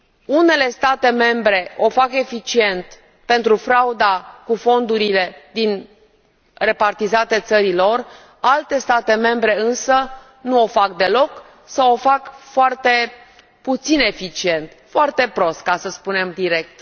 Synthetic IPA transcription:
une̞le̞st̪at̪e̞me̞mbɾe̞o̞fake̞fit͡ʃie̞nt̪ | pe̞nt̪ɾufɾaud̪akufo̞nd̪uɾile̞d̪in | re̞part̪izat̪e̞t̪səɾilo̞r | alt̪e̞st̪at̪e̞me̞mbɾe̞ɨnsə | nuo̞fakd̪e̞lo̞k | sawo̞fakfoart̪e̞ | put̪sine̞fit͡ʃie̞nt̪foart̪e̞pɾo̞st̪̚kasəspune̞md̪iɾe̞k̚t̪

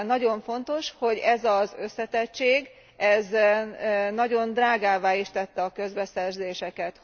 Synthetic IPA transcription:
nɒɟo̞ɱfo̞nt̪o̞ʃho̞ɟɛzɒzø̞sːɛt̪ɛt͡ʃːeːɡ | ɛz | nɒɟo̞nd̪raːɡaːvaːiʃt̪ɛt̪ːɛɒkø̞zbɛsɛrzeːʃɛkɛt̪

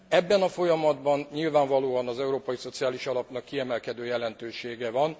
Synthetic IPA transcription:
ɛbːɛnɒfo̞jɒmɒd̪bɒnɲilvaːɱvɒloːɒnɒzɛuɾoːpɒjiso̞t̪sijaːliʃɒlɒpnɒkːiɛmɛlkɛd̪øːjɛlɛnt̪øːʃeːɡɛvɒn

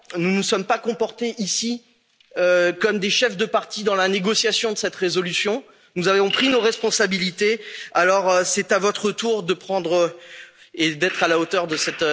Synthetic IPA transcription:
nunusɔmpakɔ̃pɔʁt̪eʔisi | økɔmd̪eʃɛfd̪əpaʁt̪id̪ɑ̃laneɡɔsjasjɔ̃d̪əsɛt̪ʁezɔlysjɔ̃ | nuzavvɔ̃pχinoʁɛspɔ̃sabilit̪ealɔʁøsɛt̪avɔt̪χət̪uʁd̪əpχɑ̃d̪ʁə | ed̪ɛt̪χalaot̪œʁd̪əsɛt̪

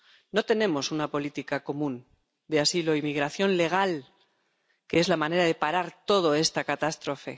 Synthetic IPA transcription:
no̞t̪e̞nẽ̞mo̞sunapo̞lit̪ikako̞mũn | d̪easilo̞imiɣ̞ɾaθjo̞nle̞ɣ̞al | keezlamãne̞ɾað̞e̞paɾaɾt̪o̞ð̞o̞e̞st̪akat̪ast̪ɾo̞fe̞̰

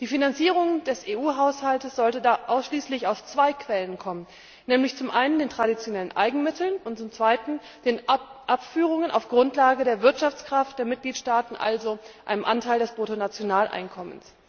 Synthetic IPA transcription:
d̥iːfinant͡siːʁ̞ʊŋd̥ɛseːʔuːɦaʊshaltəsz̥ɔltədaːʔaʊsʃliːslɪçaʊft͡sv̥aɪkʰv̥ɛlənkʰɔmən | nɛːmlɪçt͡sʊmʔaɪnəndeːntʁ̥aɾit͡sjonɛlənʔa̰ɪɡŋ̩mɪtl̩nʊntt͡sʊmt͡sv̥aɪtn̩ | d̥eːnʔapfyːʁ̞ʊŋəna̰ʊfɡ̥ʁʊntlaːɡədeːɐvɪɐtʃaft͡skʁ̥aft̚d̥eːɐmɪt̚ɡ̥liːtʃtaːtn̩ʔa̰lzoʔʔaɪnəmʔa̰ntʰaɪldɛsb̥ʁotonat͡sjonaːlʔa̰ɪnkʰɔmə̰ns

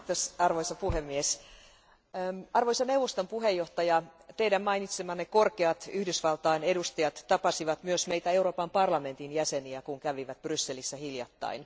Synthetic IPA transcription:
t̪osɑrʋoisɑpuhemːies | ɑrʋoisɑneuwʋːost̪ompuɦejːoht̪ɑjɑt̪eidæmmɑinit̪semɑnekorkeɑt̪yhdysʋɑlt̪ɑinedust̪ɑjɑt̪ːɑpɑsiʋɑt̪myøsmeijt̪æeuɾoːpɑmpɑrlɑme̞nt̪injæseniækuŋkæʋiʋæt̪b̥rysːelisːæhiljɑ̰t̪ːɑ̰in

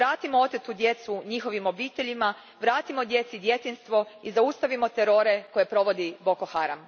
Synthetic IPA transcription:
ɾaːt̪imoo̞t̪et̪ud̪je̞t̪suɲixo̞ʋimo̞biːt̪e̞ʎima | ʋɾaːt̪imo̞d̪je̞t̪sid̪je̞t̪inst̪ʋo̞izaust̪aʋimo̞t̪e̞ɾo̞ɾe̞ko̞je̞pɾo̞ʋo̞d̪ibo̞koxaɾa̰m

